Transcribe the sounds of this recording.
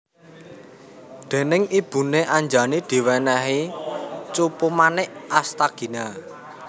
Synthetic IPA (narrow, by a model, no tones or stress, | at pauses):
d̪̥e̤nɪŋib̥ṳneʔaɲd͡ʒanid̪̥i̤wɛnɛɦi | t͡ʃupumanɪʔast̪aɡ̥i̤na